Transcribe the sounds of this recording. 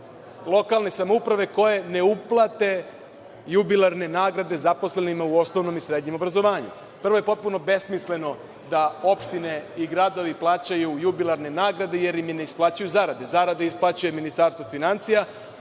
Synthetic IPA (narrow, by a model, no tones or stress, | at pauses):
lˠo̞kalˠne̞samoupɾaʋe̞ko̞je̞ne̞uplˠat̪e̞ | jubilˠaɾne̞naːɡɾad̪e̞zapo̞sle̞nimauo̞sno̞ʋno̞misɾe̞ːd̪ɲemo̞bɾazo̞ʋaːɲṵ | pr̩ʋo̞je̞po̞t̪̚puno̞be̞smisle̞no̞ | d̪ao̞pʃt̪ine̞iɡɾad̪o̞ʋiplˠaːt͡ɕajujubilˠaɾne̞naːɡɾad̪e̞je̞ɾimjene̞isplˠaːt͡ɕajuzaːɾad̪e̞zaɾad̪eisplˠat͡ɕuje̞minist̪aːɾst̪ʋofinant̪sija